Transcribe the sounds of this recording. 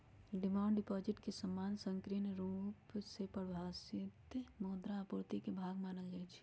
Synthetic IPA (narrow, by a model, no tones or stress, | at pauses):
ɖɪmãːɳɖɖɪpɔːd͡ʒɪʈkesəmːaːnsə̃ŋkɾinɾuːpsepəɾbʱaːsɪt̪moːd̪ɾaːpuɾt̪ikebʱaːɡmaːnəld͡ʒat͡ʃʰi̥